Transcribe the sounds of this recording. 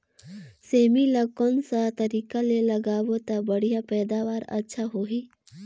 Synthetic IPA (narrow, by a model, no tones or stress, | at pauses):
seːmiləkɔnsat̪əɾiːkaleləɡaːwot̪abəɽ̤ijapɛːd̪aːʋaːɾə̰tːʃʰaɦoːɦiː